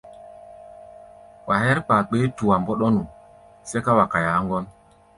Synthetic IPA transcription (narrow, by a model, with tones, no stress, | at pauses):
wʔa˨hɛ˦ɾk͡paː˨k͡pe˦tu˨wa˨mbɔ˦ɗɔ˦nu˨ | sɛ˦ka˦wa˨ka˨ja˨˦ŋɡɔ˦n